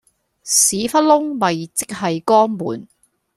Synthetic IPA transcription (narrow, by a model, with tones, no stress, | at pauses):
siː˨˥fɐ˥t̚lʊ˥ŋmɐ˨jt͡sɪ˥k̚hɐ˨jkɔː˥ŋmṵː˨˩n